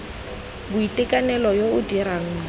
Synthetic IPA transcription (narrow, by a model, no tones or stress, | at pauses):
bʊitʼɪkʼanɛlɔjoʊdiɾaŋ̩